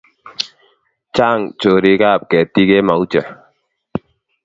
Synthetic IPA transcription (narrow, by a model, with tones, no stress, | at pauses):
t͡ʃa˦˨ŋt͡ʃo˨ɾi˦ka˦˨p̚kɛ˨ti˦ke˦ma˨u˦t͡ʃɛ˨